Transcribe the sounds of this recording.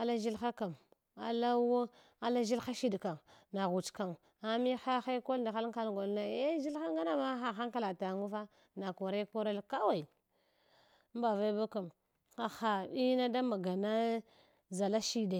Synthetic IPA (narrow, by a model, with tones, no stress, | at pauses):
a˦la˦ʒi˦lxa˦ka˨m | a̰˨la˦wo˦ | a˨la˦ʒi˦lxa˦ʃi˦dka˨mna˨ɣu˨t͡ʃka˨m | a˨mi˦xa˦xa˦ko˦lda˨xa˦lka˦lɡo˨lna˨e˦ʒi˦lxa˦ŋɡa˦na˦ma˦xa˨xa˦ŋka˦˨la˨ta˨ŋu˦va˦ | na˨ko˨ɾa˦ko˦ɾa˦lka˦wa˨i˨˦ | m˦ba˨va˦i˦ba˦ka˨m | xa˨xa˨i˦na˦da˦ma˨ɡa˨na˦ | za˨la˦ʃi˦da˨